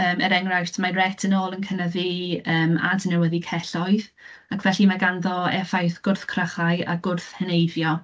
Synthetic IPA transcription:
əːmə̰ɾɛŋrajtʰmarɛtʰənoːlˠənkʰənəðiəːma̰dʰənɛwəðikʰɛɬɔɨð | akʰvɛɬimaɡanðɔɛfajθɡ̥ʊrθkʰrəχaɨa̰ɡʊrθhənejvjɔ

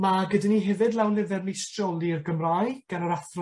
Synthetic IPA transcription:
maɡədaniɦɛvɨdlˠɛwnlɪvɛrnistrɔlˠiərɡəmrajɡ̥anəɾaθrɔ

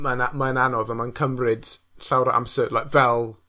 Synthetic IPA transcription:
manamaənanɔðɔnmankʰəmrɪd̥ | ɬawɾaʔa̰msəːdlajkvɛlˠ

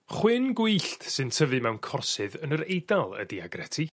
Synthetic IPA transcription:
χwɪnɡwiɬtsɨntʰəvɨmɛwnkʰɔrsɨðənəɾejdalˠə̰diaɡrɛtʰi

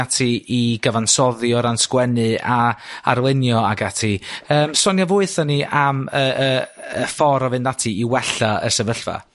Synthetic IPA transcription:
atʰiiɡ̥əvansɔðjɔɾanskwɛnɨaa̰ɾlˠɪnjɔaɡatʰiəːmsɔnjavʊɨθɔniʔaməəəfɔɾɔvɨnðatʰiiwɛɬaə̰sɛvəɬva̰

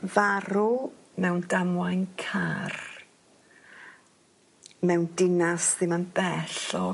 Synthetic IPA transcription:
vaɾʊ | mɛwndamwajnkʰar | mɛwndɪnasðɪmanbɛɬɔ

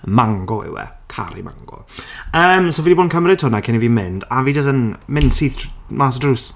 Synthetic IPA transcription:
maŋɡɔɛ̰wɛ̰kʰa̰ɾḭma̰ŋɡɔ̰əːmsoviːdiboːdnkʰəmɾɪtʰʊnakʰɪniviːmɪndaviːd͡ʒəs̬ənmɪnd̥siːθmaːsdruːs

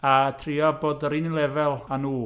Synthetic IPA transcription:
atʰrɪɔboːdəɾinnlˠɛvɛlˠanuː

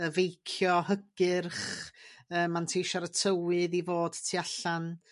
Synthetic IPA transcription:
əvejkʰjɔhəɡɨrχ | əːmːantʰejʃaɾətʰəwɨðivoːd̥tʰiaɬan

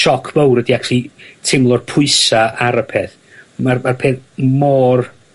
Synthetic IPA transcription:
ʃɔkʰvowɾədiaklˠitʰɪmlˠɔrpʰʊɨsaʔaɾəpʰeθ | marmarpʰeːθmɔːr

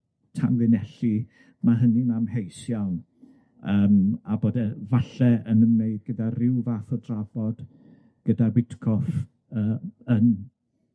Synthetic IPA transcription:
tʰamðɨnɛɬi | maɦənimamhejsjawn | əːmaboːdɛvaɬɛənənmeɨd̚ɡədarɪwvaːθɔdrav̥ɔd̥ | ɡ̥ədabɪtkʰɔf | əːən

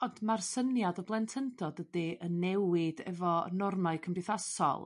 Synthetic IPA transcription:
ɔndmarsənjadɔblˠɛntʰəndɔdədiənːɛwɪd̥ɛ̰vɔnɔrmaɨkʰəmbɪθasɔ̰lˠ

